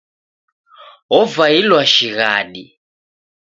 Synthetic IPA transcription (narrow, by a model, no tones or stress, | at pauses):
ɦɔvailwaʃiɣaɗi